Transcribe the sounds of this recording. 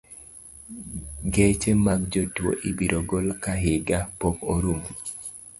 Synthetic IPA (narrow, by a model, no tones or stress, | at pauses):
ɡet͡ʃemaɡ̚d͡ʒotwo̰ʔibiɾoɡolkaɦɪɡapokoɾum